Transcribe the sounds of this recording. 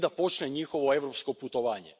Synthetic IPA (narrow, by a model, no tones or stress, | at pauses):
d̪apo̞t͡ʃneɲixo̞ʋo̞eʋɾopsko̞put̪o̞ʋaːɲḛ